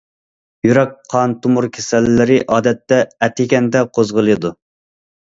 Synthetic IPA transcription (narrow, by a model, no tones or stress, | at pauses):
jyɾɛk̚qʰɑnt̪ʰumuɾkʲʰe̥sɛlːɪɾɪʔɑːd̪ɛt̪ːɛɛt̪ʰːɪkʲɛnd̪ɛqʰozʁəlˠɨd̪u